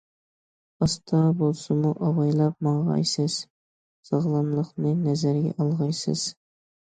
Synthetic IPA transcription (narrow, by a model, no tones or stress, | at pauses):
ɑst̪ʰɑbolˠsɨmuʔɑʁɑjlˠɑp̚mɑʁɑ̰jsɨz̥ | sɑʁlˠɑnlˠəχnɨnɛzæɾɡʲɛ̰ʔɑlˠʁɑjsɨ̰z̥